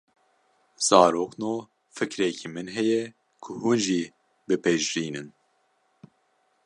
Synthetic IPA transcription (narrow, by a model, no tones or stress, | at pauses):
z̥ɑːɾoːqnoː | fɨkɾɛkʰimɨnɦɛjɛ | kʰʊhunʒi | bɨpʰɛʒɾiːnɨn